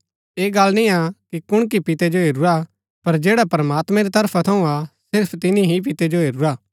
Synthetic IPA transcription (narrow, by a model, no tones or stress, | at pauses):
eːɡɐlnĩakikʊɽ̃k̬ipɪt̪ed͡ʒoɦeːɾuɾa | pɐɾd͡ʒeːɽapɐɾɐmaːt̪mɛ̃ɾit̪ɐɾpʰat̪ʰɐũasɪɾpʰt̪ɪnĩɦip̬ɪt̪ed͡ʒoɦeːɾuɾaː